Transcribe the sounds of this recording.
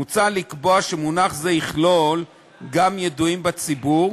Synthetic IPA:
ut͡salikboaʃemunaχzeiχlol | ɡamjeduimbat͡sibuʁ

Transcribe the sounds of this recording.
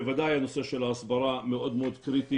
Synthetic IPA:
evad̪ajanoseʃelaːsbɑɾˤameʔod̪meod̪kɾit̪i

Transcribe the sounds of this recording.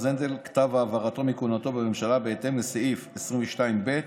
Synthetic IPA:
zend̪elkḁt̪avaːvaʁat̪o̞mikunat̪o̞bememʃalabeet̪e̞mleseʔifesʁimveʃtaimbe̞t

